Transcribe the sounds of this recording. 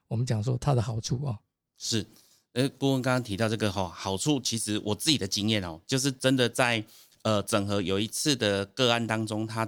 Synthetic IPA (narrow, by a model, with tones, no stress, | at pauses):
wɔ˨˩mə˦nt͡ɕjɑ˨˩ŋs̬wɔ̰˦t̪ʰa˦d̪ə˨xɑ˨˩ʊʈ͡ʂʰu˥˩ɔ˨˩ | ʂɻ̩˥˩˥ | ku˥˧wə˦˥nkɑ˥ŋɑ˥ŋt̪ʰi˧t̪ɑ˥˧ʊʈ͡ʂɤ˥˩ɡə˨˩xɔ˥˨˩xɑ˨˩ʊʈ͡ʂʰu˥˩t͡ɕʰi˧˥ʂɻ̩˧˥wʔɔ˨˩t͡sɹ̩˥˩t͡ɕi˨˩d̪ə˩t͡ɕi˦˥ŋjɛ˥˨nɔ̰˨˩t͡ɕjo˥˧ʊʂ̬ɻ̩˥˩ʈ͡ʂə˦nd̪ə˨t͡sa˥˩ɪ | ə˨˩t͡sə˨˩ŋxɤ˧˥jo˨˩ʊi˧˦t͡s̩ʰ˥˩d̪ə˩kɤ˥˧a˥˨nt̪ɑ˥ŋʈ͡ʂo˦ŋt̪ʰa˦